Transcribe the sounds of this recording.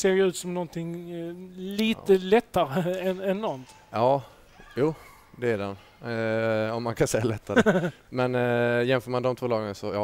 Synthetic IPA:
seːɾjʉ̟ːt̪sɔmnɔnt̪ʰɪŋ | liːtəlɛt̪ːaɾəɛnɛnːɔnt̪ | ʔɑː | juː | d̪ɛæɖɛn | ɔmːankʰansɛjːalɛt̪ʰːaɾ | mɛnjɛnfœːɾmand̪ɔmt̪ʰuːlɑːɡənasɔjɑː

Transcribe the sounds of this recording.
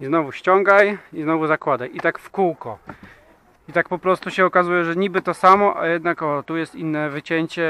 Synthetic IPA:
iznɔvuɕt͡ɕɔŋɡajiznɔvuzakwad̪ajʔit̪akfkuwkɔ | it̪ak̚pɔpɾɔst̪uɕɛɔkazujɛʐɛɲibɘt̪ɔsamɔʔa̰jɛd̪nakɔt̪ujɛst̪inːɛvɘt͡ɕeɲt͡ɕɛ

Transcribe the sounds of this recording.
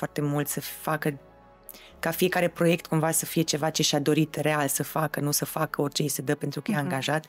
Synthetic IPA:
fwart̪e̞mult̪səfakə | kafie̞kaɾe̞pɾo̞je̞kt̪kumvasəfije̞t͡ʃe̞vat͡ʃe̞ʃiad̪o̞ɾit̪re̞alsəfakənusəfakəo̞rʲt͡ʃe̞jsəd̪əpe̞nt̪ɾukəjaaŋɡaʒat̪

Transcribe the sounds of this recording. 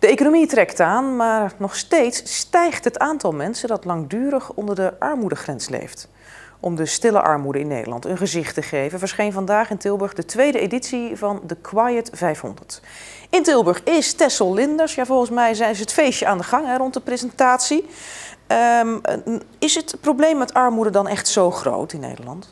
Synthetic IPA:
d̥əejkonomitrɛktaːnmaːɹnɔχstejtstɛjχtɦətaːntɑlˠmɛnsəndɑtlɑŋdyːɾəχɔndəɹdəʔɑɹmudəχrɛnslḛjft | ʔɔmdəstɪlə̰ʔɑ̰ɹmudəɪ̰nːḛjdəlɑ̰ntənχəzɪχtəχejvənvəɹsχejnvɑndaːχɪntɪlˠbəɹχdətʋejdəḛditsivɑndəkʰwajətv̥ɛjfɦɔ̰ndəɹt | ɪntɪlˠbəɹχɪstɛsəlˠlɪndəɹsjaːvɔlˠχənsmɛjzɛsəɦətfejʃəʔaːndəχɑŋɦɛrɔntdəprezəntaːtsi | ə | ɪsətprowblejmːɛtɑɹmudədɑnɛχtsowχro̰wtɪnːḛjdə̰lɑ̰nt

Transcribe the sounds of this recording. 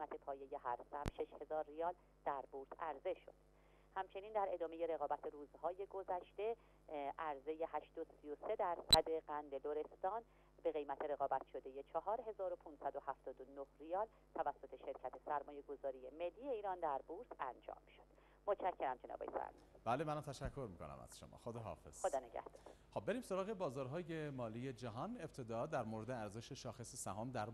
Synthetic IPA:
ejmæt̪ʰe̞pʰɒːje̞je̞ɦæɾsæmʃe̞ʃhe̞zɒːɾːijɒːl | d̪̥æɾbuɾsæɾze̞ʃo̞̰d̪̥ | hæmt͡ʃʰe̞niːnd̪æɾe̞d̪ɒːme̞je̞ɾe̞ɣɒːbæt̪ʰeɾuːzhɒːje̞ɡo̞zæʃt̪e̞ | ʔæɾze̞je̞hæʃd̪osijose̞d̪æɾsæd̪e̞ɢænd̪e̞loɾe̞st̪ɒːn | be̞ɣe̞jmæt̪ʰe̞ɾe̞ɣɒːbæt̪ʰʃo̞d̪e̞je̞t͡ʃʰɒɦɒːɾɦe̞zɒːɾo̞pʰunsæd̪o̞hæft̪ɒːd̪onohrijɒːl | t̪ʰævæsːo̞t̪ʰe̞ʃe̞ɾcʰæt̪ʰe̞sæɾmɒːje̞ɡo̞zɒːɾije̞me̞lːijeiːɾɒːnd̪æɾbuɾsænd͡ʒɒ̰ːmːiʃod̪̥ | mot̪ʰʃæcʰːe̞ɾæmd͡ʒenɒ̰ːbḛjfæ̰ɾmḭb̥æːlemænat̪ʰæʃækʰːo̞ɾmiːkʰonæ̰mæ̰z̥ʃomɒ̰ːxod̪ɒɦɒ̰ːfḛz̥xod̪ɒːneɟæ̰hd̪̥ɒ̥ːɾxob̚beɾiːmsoɾɒːɣebɒːzɒːɾɦɒːjemɒːliːje̞d͡ʒæɦɒːneb̥̚t̪ʰe̞d̪ɒːd̪æɾmoːɾed̪eæɾze̞ʃeʃɒːxesesæɦɒːmd̪æɾ

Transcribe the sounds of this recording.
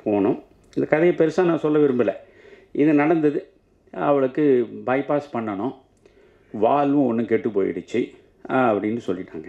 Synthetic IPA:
pʰoːɳʊ̃ | ɪnd̪ɐkɐðɐjɐpɛɾɯsaːnãːsɔlːɐʋɪɾɯmbɪlɐ | ɪðɯnɐɽɐnd̪ɐðɯ | ɐʋɐɭɯkːɯbɐɪpaːspɐɳːɐnʊ̃ | ʋaːlʋʊ̃ɔnːɯ̃kɛʈːɯpːoːjɪ̰ɽɯt͡ʃːɯ | ɐpːɐɽɪnːɯsɔlːɪʈːa̰ːŋɡɐ

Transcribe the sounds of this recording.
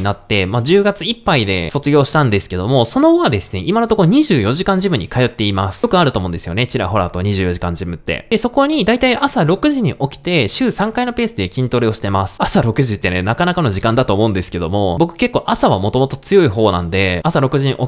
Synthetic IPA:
inat̪ːe̞mad͡ʑɨːɡat͡sɨipːaid̪e̞̰so̞t͡sɨɡʲo̞ːɕi̥t̪ãnd̪e̞sɨ̥ke̞d̪o̞mo̞so̞no̞oβad̪e̞sɨne̞ʔimanot̪o̞kooɲ̟iʑɨːjo̞ʑikãɲ̟d͡ʑimɯ̟ɲ̟ːikajo̞t̪ːe̞imasɨ̥okɯ̟aɾɯ̟t̪o̞ːmõnd̪e̞sɨjo̞̰ne̞t͡ɕiɾa̰ɦo̞ɾa̰ːt̪o̞ɲ̟iʑɨːjo̞ʑikãɲ̟d͡ʑimɯ̟t̪ːe̞̰d̥̪e̞so̞ko̞ɲ̟id̪ait̪aiʔasaɾo̞kɯ̟ʑiɲ̟iʔo̞kʲi̥t̪e̞ɕɨːsãŋkaino̞pe̞ːsɨd̪e̞kʲĩnt̪oɾɯo̞ɕi̥t̪e̞masɨ̥asaɾo̞kɯ̟ʑit̪ːe̞ne̞nakanakano̞ʑikãnd̪at̪o̞ːmo̞ɯ̟̃nd̪e̞sɨ̥ke̞d̪o̞mo̞bo̞kɯ̟̥ke̞kːo̞ːʔasaβamot̪o̞mo̞t̪o̞t͡sɨjo̞iɦo̞ːnã̰nd̪e̞asaɾo̞kɯ̟ʑiɲʔo

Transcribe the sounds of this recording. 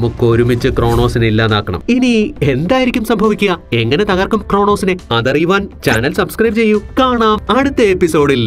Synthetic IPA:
ɐmukːo̞ːɾumit͡ɕːɨkro̞ːɳo̞ːsinilːaːnaːkːɐɳɐ̰minie̞nd̪aːjiɾikʲːumsɐmbʱɐʋikʲːuɣɐe̞ŋːɐnet̪ɐɣɐrkːumkro̞ːɳo̞ːsineɐðɐrijuʋaːnt͡ɕaːnɐlsɐbskrɐjbt͡ɕe̞jːukaːɳaːmɐɽut̪ːɐepːiso̞ːɽil

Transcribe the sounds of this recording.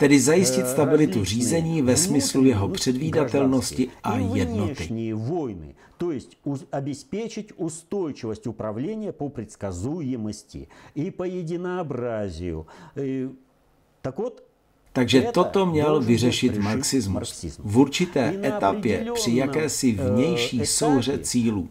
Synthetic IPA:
t̪ɛdɪzajɪscɪt̪st̪abɪlɪt̪ur̝iːzɛɲiːvɛsmɪslujɛɦo̞pr̝̥ɛdviːdat̪ɛlno̞scɪʔaj̪ɛdnot̪ɪnʲɪjəvo̞jnɨ̰ | t̪ojɪsʲtʲɐbʲɪspʲet͡ʃɪtʲʊst̪o̞jt͡ʃɪvəsʲtʲʊpɾɐvlʲenʲɪjəpəpɾʲɪt̪skɐzujɪməsʲtʲɪ̰ipəjɪdʲɪnɐɐbrazʲɪjʊ̰ | t̪ɐkvot̪ | t̪aɡʒɛt̪o̞t̪o̞mɲɛlvɪrɛʃɪt̪maɾksɪzmusizvuɾt͡ʃɪt̪ɛːɛt̪apjɛrr̥ɪjakɛːsɪvɲɛjʃiːso̞wr̝ɛt͡siːluː

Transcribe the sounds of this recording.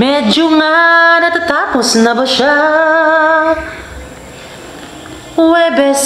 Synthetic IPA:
mɛd͡ʒuŋanat̪ət̪akʊsnabəʃa | wɛbɛs

